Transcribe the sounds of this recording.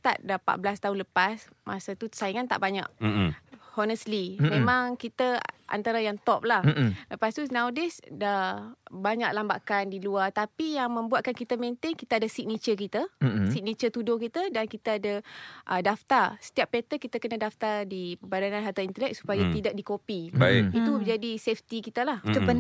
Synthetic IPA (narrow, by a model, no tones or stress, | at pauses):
t̪a̰ʔ̪̚dapa̰ʔ̪̚bəlast̪aunləpas | masat̪usaiŋant̪a̰ʔbaɲa̰ʔ | hɔnəslimẽmãŋkit̪əʔa̰nt̪aɾajaŋt̪ɔp̚lahləpast̪unawdɛsdabaɲaʔ̚lamba̰kandiluart̪apijaŋmə̃mbuat̪̚kankit̪əmẽnt̪ɪŋkit̪aadasik̚nit͡ʃəkit̪əsik̚nit͡ʃət̪udʊhkit̪ədankit̪əadaʔədaft̪arsə̥t̪iapːɛt̪əkit̪akənadaft̪adipəbadanãnɦart̪aint̪əlɛk̚su̥pajat̪idak̚dikopibaiit̪ud͡ʒadisɛft̪ikit̪alah